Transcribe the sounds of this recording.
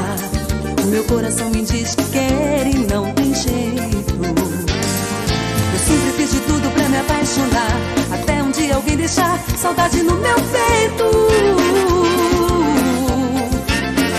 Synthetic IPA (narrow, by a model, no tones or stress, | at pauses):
ʊmewkoɾasɐ̃w̃mid͡ʒiʃkɛɾɪnɐ̃w̃t̪ẽj̃ʒejt̪ʊ | ewsĩzɪfizd͡ʒɪt̪ud̪ʊpɾɐmiapajʃonaɾat̪ɛũd͡ʒiɐawɡẽj̃d̪ejʃaɾsawd̪ad͡ʒɪnʊmewpejt̪ʊ